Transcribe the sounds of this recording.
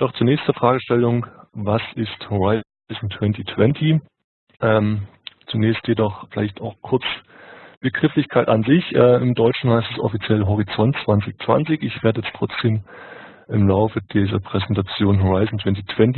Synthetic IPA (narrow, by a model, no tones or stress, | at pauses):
d̥ɔχt͡suːnɛːçstd̥ɐfʁ̥aːɡəʃtɛlʊŋvasɪsthoʁaɪ | zn̩tʰw̥ɛntitʰv̥ɛntʰi | ʔɛːmt͡sunɛːçstjedɔχfɪla̰ɪçtaʊxkʰʊɐt͡s | b̥əɡʁ̥ɪflɪçkʰaɪtanzɪçʔɛːɪmdɔʏt͡ʃn̩haɪstɛsʔɔ̰fit͡sjɛlɦɔʁit͡sɔntt͡sv̥ant͡sɪçt͡sv̥a̰nt͡sɪçɪçv̥eːɐdəjɛt͡stʁ̥ɔt͡sd̥eːm | ʔɪmlaʊfəd̥iːzɐpʁ̥ɛzɛntat͡sjoːnɦoʁaɪzn̩tʰv̥ɛntitʰv̥ɛnt